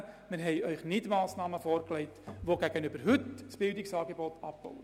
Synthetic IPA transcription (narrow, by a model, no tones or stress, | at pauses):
mɪɾɦɛɪœʏχnɪtmɑːsnɑːməfoːrklɛɪtʋoɡæɡənybəɾɦʏtsb̥ɪldɪksɑːɡebɔtʰɑp̚b̥ɔ̰w